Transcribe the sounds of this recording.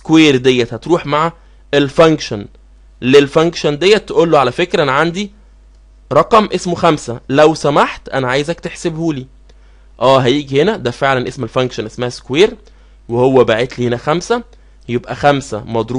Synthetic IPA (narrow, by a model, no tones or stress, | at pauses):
skweːɾd̪ejːæt̪hæt̪ɾuːħmaʕa | elfæŋkʃæn | lelfæŋkʃænd̪ejːæt̪ːeʔolːoʕalæfekɾæʔenæʕand̪i | ɾˤɑqɑmʔesmoxæmsælæwsæmaħt̪ʔænæʕaːjezækt̪eħsebhuːliː | ʔæːɦæjiːɡihenæd̪æfeʕlænʔesmelfæŋkʃænʔesmæhæskoweːɾ | wehowːæbaʕet̪liːhenæxæmsæ | jebʔæxæmsæmɑd̪ˤɾu